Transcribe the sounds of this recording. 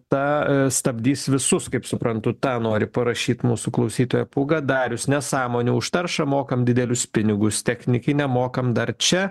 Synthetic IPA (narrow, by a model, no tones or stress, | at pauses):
t̪ɐst̪ɐbʲd̪ʲiːsʋʲɪsʊskɐɪpsʊpɾɐnt̪ʊt̪ɑːnoːɾʲɪpɐɾɐʃʲiːt̪muːsʊklˠɐʊsʲiːt̪oːjɛpʊɡɐd̪ɑːɾʲʊsnʲɛsɑːmoːnʲuːʊʃt̪ɐrʃɐmoːkɐmd̪ʲɪd̪ʲɛlʲʊspʲɪnʲɪɡʊst̪ʲɛxʲnʲɪkʲɪnʲɛmoːkɐmd̪ɐrt͡ʃʲɛ